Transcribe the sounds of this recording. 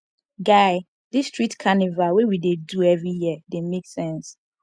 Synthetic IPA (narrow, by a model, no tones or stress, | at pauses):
ɡaɪ | distɹitkʰanivawɛwideduɛvɹijiədemeksɛ̃ns